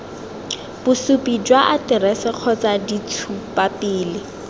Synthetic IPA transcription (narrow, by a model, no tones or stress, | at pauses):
b̥ʊsʊpʼid͡ʒwaʔatɪɾɛsɪq͡χʰɔt͡sadit͡sʰupapɪːlɪ